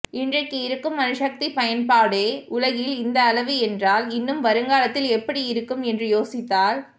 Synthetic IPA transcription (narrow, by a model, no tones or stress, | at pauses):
ɪndrɐkːɯɪɾɯkːɯmɐnɯʂɐk̚t̪ipɐjɐnpaːɽeːʊlɐɣɪlɪnd̪ɐːlɐʋɯɛndraːlɪnːɯmʋɐɾɯŋɡaːlɐt̪ːɪlɛpːɐɽiɪɾɯkːɯmɛndrɯjoːsɪt̪ːaːl